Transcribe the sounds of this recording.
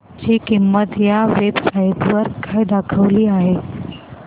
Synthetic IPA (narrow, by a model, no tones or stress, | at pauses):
t͡ɕiːkimːət̪jaʋebsajt̪ʋəɾkʰajd̪akʰəʋliːaɦe